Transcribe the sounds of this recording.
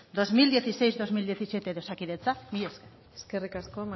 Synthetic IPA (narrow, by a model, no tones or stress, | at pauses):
d̪o̞zmild̪je̞θise̞jzd̪o̞zmild̪je̞θisjet̪eðosakiðet͡samieske | eskerikaskom